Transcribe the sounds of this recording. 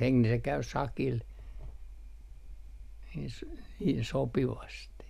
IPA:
heŋk ni se kæy sɑkil s niːn sopiʋɑsti

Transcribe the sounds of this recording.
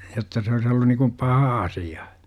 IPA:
jotːɑ se ois olːun nikum pɑhɑ ɑsijɑ

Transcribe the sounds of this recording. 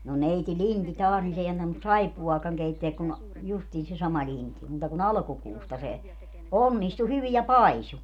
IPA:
no neiti linti tɑːs nin s ei ɑntɑnus sɑipːuɑːkɑŋ keitːeæk kun justiːn se sɑmɑ linti muːtɑ kun ɑlɑ̆kukuːstɑ se onːistu hyʋi jɑ pɑisu

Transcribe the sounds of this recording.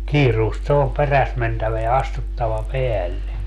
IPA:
kiːruːst se om peræs mentæʋæ jɑ ɑstutːɑʋɑ peælːe

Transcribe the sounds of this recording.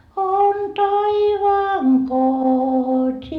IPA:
on tɑiʋɑːŋ kotʲiikæʋæ

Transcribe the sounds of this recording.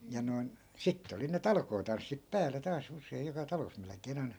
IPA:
jɑ noi̯n sitːe oli ne tɑlkoːtɑnsːip pæːle tɑːs usˑeij jokɑ tɑlos melĕkˑeːn ɑi̯n̥ɑ̥

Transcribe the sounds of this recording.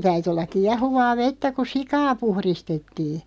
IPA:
tæyty olːɑk̆ kiɑhuʋɑː ʋetːæ ku sikɑː puhristetːiː

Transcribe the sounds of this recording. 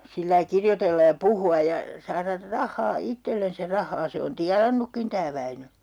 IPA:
silːɑi kirjotelːɑj jɑ puhuɑ jɑ sɑːrɑr rɑhːɑː itːelːens jɑ rɑhˑɑː se on tiɑnɑnːukːin tæː ʋæinø

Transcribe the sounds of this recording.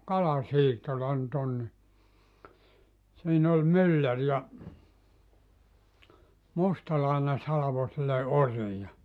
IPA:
kɑlɑsiːtːolɑ ny̆t on ni siːn ol mylːær jɑ mustɑlɑˑine sɑlɑʋo silːe oriː jɑ

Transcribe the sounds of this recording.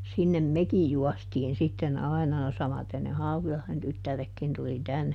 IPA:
sinːem mekij juɔstiːn sitːen ɑi̯nɑ no sɑmɑten ne hɑukilɑhðen tytːærekːin tuli tænːe

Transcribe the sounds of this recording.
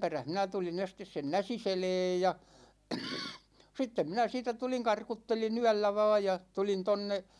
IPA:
peræh minæ tulin̞ estes sen næsiseleːj jɑ sitːem minæ siːtæ tuliŋ kɑrkutːelin yælːæ ʋɑː jɑ tulin tonːe

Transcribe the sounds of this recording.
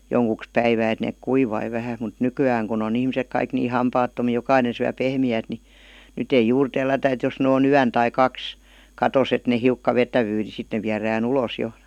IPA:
joŋkuks pæiʋæː et neːk kuiʋɑi ʋæhæ mut nykyæːŋ kun on ihmisek kɑik niː hɑmpɑːtːomiː jokɑinen̞ syæ pehmiæːt ni nyt ei juːr telːætæ et jos nĕ oːn yæn tɑi kɑks kɑtos et ne hiukːɑ ʋetæʋyː ni sit ne ʋiæræːn uloˑs jo

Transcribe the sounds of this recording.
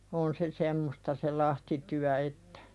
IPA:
on se semːostɑ se lɑhtityæ etːæ̥

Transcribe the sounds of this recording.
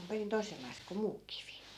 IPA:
om perin toi̯selːɑis ko muː kiʋi

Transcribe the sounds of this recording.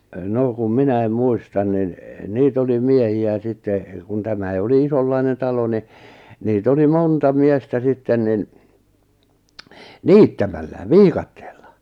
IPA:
noˑ kum minæim muistɑn nin niːt oli miehiæ sitːe kun tæmæi oli isolːɑinen tɑlo ni niːt oli montɑ miestæ sitːen nin niːtːæmælːæ ʋiːkɑtːe̥ːl̥ːɑ̥

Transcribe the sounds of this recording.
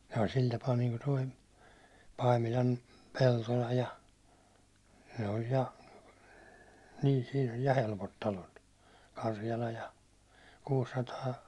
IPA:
sɑi sil tɑpɑː niːŋku toi pɑimilɑm peltolɑ jɑ ne olʲ jɑ niː siːn olʲ jɑ helpot tɑlot kɑrjɑlɑ jɑ kuːsːɑtɑː

